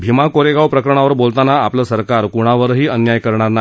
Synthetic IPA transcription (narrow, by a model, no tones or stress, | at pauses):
bʱimakoɾeɡawpɾəkəɾəɳ̃aʋəɾbolt̪anaapləːsəɾkaɾkuɽ̃aʋəɾɦiːənjajkəɾɳ̃aɾna